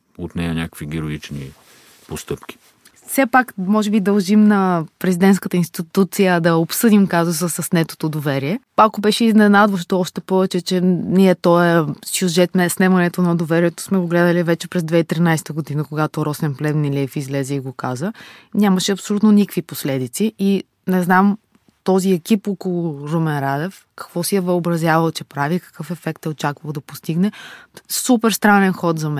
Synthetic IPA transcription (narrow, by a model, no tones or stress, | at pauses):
ot̪nɛjɐnʲakə̥kviɡʲɛɾoit͡ʃnḭ | post̪ɤpk̟ʲi̥ | fsɛpakmɔʒɛbid̪ɐlˠʒimnɐpɾɛzid̪ɛnt̪skət̪əinst̪it̪ut̪sijəd̪ɐopsɤd̪imkazus̬əsɐsnɛt̪o̥t̪od̪ovɛɾiɛpakobɛʃɛiznɛnad̪voʃ̬t̪oɔʃt̪ɛpɔvɛt͡ʃɛt͡ʃɛniɛt̪ɔjəsjuʒɛt̪mɛsnɛmɐnɛt̪onɐd̪ovɛɾiɛt̪o̥smɛɡoɡlɛd̪əlivɛt͡ʃɛpɾɛzd̪vɛit̪ɾinajst̪əɡod̪inəkoɡat̪oɾɔsɛnplɛmnilʲɛfizlɛzɛiɡokazənʲamɐʃɛɐpsolʲut̪nonikviposlɛd̪it̪sii | nɛznam | t̪ɔziɛkʲipɔkolˠoɾomɛnɾad̪ɛf | kɐ̥kvɔsiɛvəobɾɐzʲjavəlˠt͡ʃɛpɾavikə̥kɤfɛfɛk̚t̪ɛot͡ʃakvəlˠd̪ɐpost̪iɡnɛsupɛɾst̪ɾanɛnxɔt̪zɐmɛ